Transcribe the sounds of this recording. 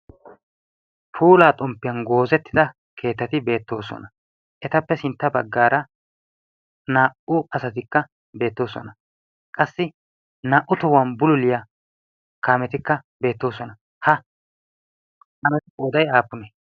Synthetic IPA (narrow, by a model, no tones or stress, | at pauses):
pʰuːlaːt̪ʼɔmpːɪjɐnɡo̞ːzɛt̪ːɪd̪ɐ | kʰe̞ːt̪ːɐt̪ɪbe̞ːt̪ːo̞ːsɔ̰nɐ | ʔɛt̪ɐpːɛsɪnt̪ːɐbɐɡːaːɾɐ | naːʔʊɐsɐt̪ɪkːɐ | be̞ːt̪ːo̞ːsɔ̰nɐ | kʼɐsːɪ | naːʔʊt̪ʊwɐnbʊlʊlɪja | kaːmɛt̪ɪkːɐ | be̞ːt̪ːo̞ːsɔnɐ | hɐ | ʔɐnɛoːd̪ɐjaːpːʊnɛ